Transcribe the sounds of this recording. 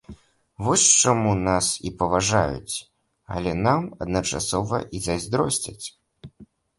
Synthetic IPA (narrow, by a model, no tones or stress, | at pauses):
vɔsʲt͡ʂamunasḭpɐvaʐa̰jṵt͡sʲ | ɐ̰lʲɛnamɐd̪nɐt͡ʂa̰sɔvɐ̰ʔizazʲd̪ɾɔsʲt͡sʲɐ̰t͡sʲ